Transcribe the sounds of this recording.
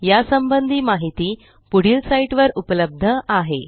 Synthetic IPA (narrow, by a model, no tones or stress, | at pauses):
jasəmbənd̪ʱiːmaɦit̪iː | puɽ̤iːlsaiʈʋəɾupləb̚d̪ʱəaɦḛ